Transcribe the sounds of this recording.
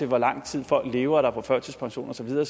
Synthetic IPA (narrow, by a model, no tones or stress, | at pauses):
e̝lʋɒ̽lɑ̈ŋ̰t͡sʰið̰ˠfɒ̽l̰ɡ̥le̝ːʊɐɾ̥ɑ̈pʰɒ̽fœɐsʰəspʰɑ̈ŋɕo̝̰ːnɒ̽sɒ̽ʋið̞ˠɐː